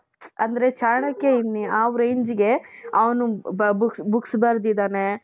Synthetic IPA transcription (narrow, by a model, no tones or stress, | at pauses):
ɐnd̪ɐɾe̞t͡ʃaːɾɳɐkːeinːiaːʋɾeɲd͡ʒiɡe̞ɐʋɐnubuksbuksbɐɾd̪id̪aːne